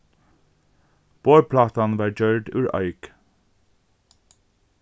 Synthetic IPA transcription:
b̥oːpʰlɑːt̪ɑnʋɑːɹd͡ʒœɹɖʉːɹʔœ̰ʏɡ̥

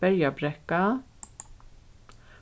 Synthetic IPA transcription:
œɾjabɾɛkːa

